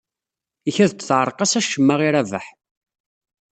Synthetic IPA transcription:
içæðt̪θʕəɾˤqɑsæʃːəmːaʁiɾævə̰ħ

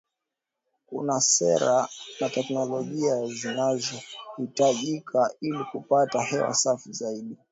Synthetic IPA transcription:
kṵnasɛɾanatɛknɔlɔʄiazinazɔhitaʄikʰailikupatahɛwa̰safizaiɗi

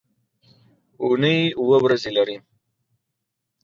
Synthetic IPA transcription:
unəjuwəwɾazelaɾi

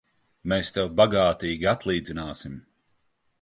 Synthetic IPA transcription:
meːst̪ɛwbaɡaːt̪iːɡʲiat̪lˠiːd̪zʲinaːsim

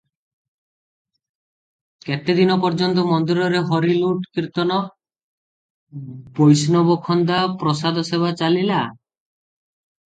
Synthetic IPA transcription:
ket̪ed̪inɔpɔɾd͡ʒɔnt̪ɔmɔnd̪uɾɔɾeɦɔɾiluʈkiɾt̪ɔnɔ | bojsnɔbɔkʰɔnd̪apɾɔsad̪ʱɔseβat͡ʃalila

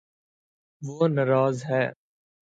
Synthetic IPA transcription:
ʋoːnɐɾaːzɦɛː

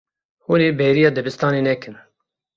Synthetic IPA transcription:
huːneːbɛjɾijɑːd̪ɛbɨst̪ɑːneːnɛkʰɨn

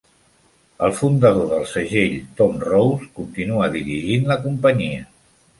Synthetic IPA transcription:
əlˠfund̪əðoðəlˠsəʒeʎt̪ɔmrowskunt̪inuəðiɾiʒinləkumpəɲiə

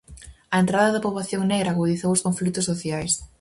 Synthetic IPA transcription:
ɐent̪ɾaðɐðɐpoβlaθjoŋneɣɾaɣuðiθowʊskoɱflik̚t̪ʊsːoθjajs

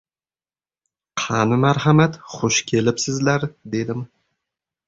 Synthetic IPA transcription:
qʰɑnɪmaɾhamat̪χʊʃkʲʰe̞lɪpsɪzlaɾd̪e̞d̪ɪm

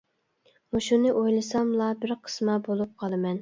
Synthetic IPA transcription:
muʃunɨʔojlˠɨsɑmlˠɑbɪɾqʰə̥smɑbolˠup̚qʰɑlˠɨmɛn

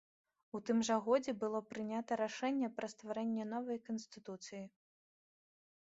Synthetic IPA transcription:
ut̪ɨmʐɐɣɔd͡zʲɛbɨlˠɔpɾɨnʲat̪ɐɾaʂɛnʲːɛpɾɐst̪vaɾɛnʲːɛnɔvɐjkɐnsʲt̪ɨt̪ut̪sɨji

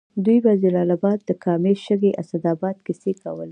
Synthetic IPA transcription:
d̪ujbazalɑlabɑd̪̚ːəkʰɑmeʃəɡeʔasad̪ɑbɑd̪kɪsekawəle

